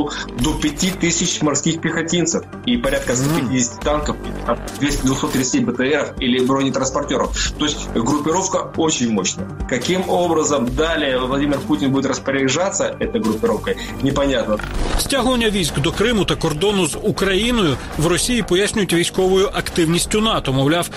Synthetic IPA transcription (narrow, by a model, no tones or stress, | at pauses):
ʊd̪opʲɪtʲit̪ɨsʲɪt͡ɕmɐrskʲixpʲɪxɐtʲint̪sɨf | ipɐɾʲat̪̚kəst̪opʲɪidʲɪsʲtʲi̥t̪ankəfḭlʲɪ̰t̪amd̪vʲesʲtʲɪd̪vʊxsot̪ːɾʲɪt̪stʲibət̪ɛɛɾəfilʲɪbɾonʲɪt̪ɾənspɐrtʲo̞ɾəft̪o̞ɪsʲtʲɡɾʊpʲːɪɾofkəo̞t͡ɕɪnʲmo̞ɕnəjəkɐkʲimo̞bɾəzəmd̪alʲɪjəvlˠɐdʲimʲɪrputʲɪnbudʲɪt̪rəspəɾʲɪɪʐat̪səʔɛt̪əjɡɾʊpʲːɪɾo̞fkə | nʲɪpɐnʲat̪nəsʲtʲaɦʊʋɐnʲːɐʋʲizʲkd̪ɔkɾɪmʊt̪ɐkɔrd̪ɔnʊzʊkɾɐjinɔjʊ | wrɔsʲijipɔjasʲnʲʊjʊtʲʋʲijsʲkɔʋʊjʊʔɐkt̪ɪwnʲisʲtʲʊnɑt̪ɔmɔwlʲaw